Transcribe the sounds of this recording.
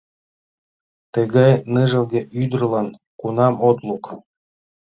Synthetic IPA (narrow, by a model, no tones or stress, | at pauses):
t̪ɤɣɑjnɨʒɤ̆lɡʲeʔyd̪ərlɑn | kunɑmot̪lukɤl